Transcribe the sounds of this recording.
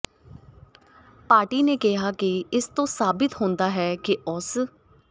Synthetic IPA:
paːɾʈiːneːkɪɦaːkɪɪst̪õːsaːbɪt̪ɦõːnd̪aːɦɛːkɪʊs

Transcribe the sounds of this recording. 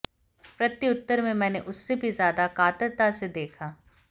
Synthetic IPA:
pɾɐt̪ːiʊt̪ːəɾmẽmɛ̃ːneʔʊsːebʱizjaːd̪akaːt̪əɾt̪ased̪eːkʰaː

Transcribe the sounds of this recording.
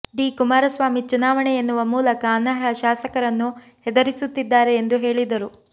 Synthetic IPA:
ɖiːkumaːɾɐsʋaːmit͡ʃunaːʋɐɳɛenːuʋɐmuːlɐkɐːnːɐɦɾɐʃaːsɐkɐɾɐnːu | hɛd̪ɐɾisut̪ːid̪ːaːɾe̞ːnd̪uɦe̞ːɭid̪ɐɾu

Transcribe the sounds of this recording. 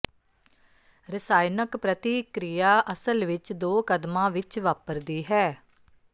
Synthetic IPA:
ɾɪsaːɪnəkpɾət̪iːkɾijaːʔəsəlʋɪt͡ʃd̪oːkəd̪mãːʋɪt͡ʃʋaːpəɾd̪iːɦɛː

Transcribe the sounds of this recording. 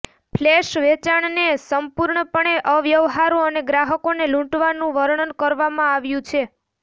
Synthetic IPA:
pʰleʃʋet͡ʃaɳnesəmpuɾɳəpəɳeʔəʋjəʋɦaɾoəneɡɾaɦəkonelũʈʋanũʋəɾɳənkəɾʋamãaʋjũt͡ʃʰe

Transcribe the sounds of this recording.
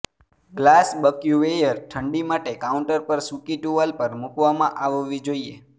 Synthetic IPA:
ɡlasbəkjuʋejəɾʈʰəɳɖimaʈekaũɳʈəɾpəɾsukiʈuʋalpəɾmukʋamãʔaʋʋid͡ʒoie

